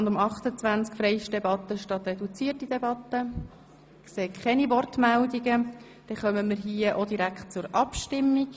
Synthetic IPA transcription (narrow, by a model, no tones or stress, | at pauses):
nd̪ʊmɑχt̪ət͡sʋænt͡skfɾɛjʃd̥ɛbɑt̪ːəʃtɑt̪rɛdut͡siːətid̥ɛbɑt̪ːə | kseːkʰχɛnivɔrtmældiɡə | d̥ɛχœməməɾɦiːəʔod̥iɾækχt̚t͡sʊɾɑpʃtɪmːiɡ